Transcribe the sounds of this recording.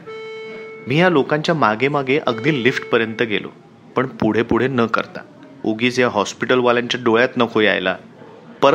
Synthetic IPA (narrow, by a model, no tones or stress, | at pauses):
miːjalokãɲt͡ɕjamaɡemaɡeʔəɡd̪iːlːiːfʈpəɾjənt̪əɡʱḛlo̰ | pəɳpuɽ̤epuɽ̤enəkə̰ɾt̪a̰ | oɡiːt͡sjaɦɔspiʈəlʋaljaɲt͡ɕjaɖoɭjat̪nəkʰoja̰jla̰ | pəɾ